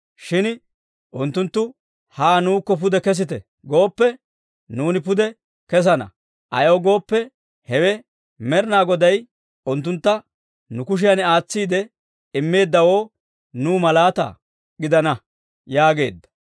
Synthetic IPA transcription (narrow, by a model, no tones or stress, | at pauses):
ʃɪn | ʔʊnt̪ːʊnt̪ːʊ | haːnuːkːɔp̬ʊd̪ɛkɛs̬ɪt̪ɛ | ɡo̞ːpːɛ | nuːnɪpʊd̪ɛ | kɛs̬ɐnɐ̰ | ʔɐjoːɡo̞ːpːɛ | hɛwɛ | mɛɾɪnaːɡɔd̪ɐj | ʊnt̪ːʊnt̪ːɐ | nʊkʊʃ̬ɪjɐnaːt͡sːiːd̪ɛ | ɪmːe̞ːd̪ːɐwo̞ː | nuːmɐlaːt̪ɐ̰ | ɡɪd̪ɐnɐ | jaːɡe̞ːd̪ːɐ̥